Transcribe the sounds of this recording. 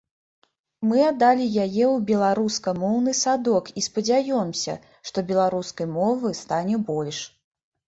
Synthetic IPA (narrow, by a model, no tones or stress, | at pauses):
mɨad̪ːalʲijajɛwbʲɛlˠaɾuskɐmɔwnɨsad̪ɔkispɐd͡zʲajɔmsʲɐ̰ | ʂt̪ɔbʲɛlˠaɾuskɐjmɔvɨst̪anʲɛbɔlʲʂ